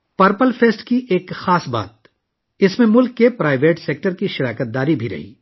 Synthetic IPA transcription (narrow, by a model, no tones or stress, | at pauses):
pɐɾpəlfʰeːsʈkiʔeːkxaːsba̰ːt̪̚ | ɪsmẽmʊlkːepɾaːɪʋeːʈseːk̚ʈəɾkiʃɪɾaːkət̪̚d̪aːɾibʱiɾɐ̰ɦḭː